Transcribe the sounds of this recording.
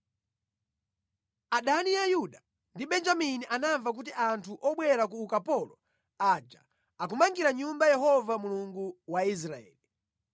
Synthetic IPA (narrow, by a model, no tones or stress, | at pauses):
aɗaniajuɗa | ndiɓɛnd͡ʒaminiʔanaɱvak̬utiʔantʰuʔɔɓwɛɾakuːkapɔlɔ | ad͡ʒa̰ | ak̬umaŋɡiɾaɲumbajɛɦɔvamuluŋɡuwais̬ɾaɛ̰ːli